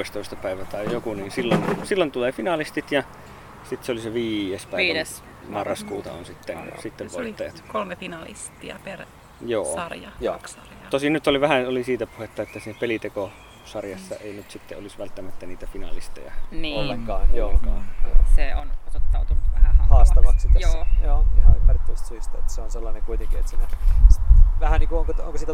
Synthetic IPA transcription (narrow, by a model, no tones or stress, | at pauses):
ist̪oˑest̪ɑpæˑeʋæt̪ɑˑeijokuniːnsilːonsilːont̪ulefinɑlist̪it̪jɑ | sit̪seoliseʋiːjespæˑes | mɑrːɑskuːt̪ɑ̰o̰nsit̪ːensit̪ːeʋoˑit̪ːɑjɑt̪kolmefinɑlḭst̪iɑ̰per | jo̰ːsɑrjɑjo | t̪osinnyt̪oliʋæhæolisiːt̪æpuhet̪ːɑet̪ːæsiːnæpelit̪eko | sɑrjɑsːɑ̰eˑinyt̪sit̪ːeolisʋælt̪ːæmæt̪ːæniːt̪æfinɑ̰list̪ḛjɑ̰niolːeŋkɑːnjoːoseonot̪ot̪ːɑˑut̪unːʋæhæhɑhɑːst̪ɑʋɑksit̪ːejooːnoihɑympærit̪ːæmist̪æsyist̪ɑet̪ːæseonselːɑneŋkuit̪eŋkiḛt̪sine | ʋæhæniːŋkuoŋkoo̰ŋkosiːt̪